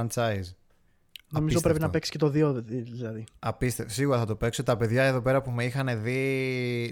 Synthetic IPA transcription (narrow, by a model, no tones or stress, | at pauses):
nt͡sɐjz | noizopɾeinɐpe̞ksi̥cet̪oðioðiðilɐðiɐpist̪esiɣuɾɐθɐt̪ope̞ksot̪ɐpe̞ðʝɐeðo̞p̬e̞ɾɐpumeixɐne̞ði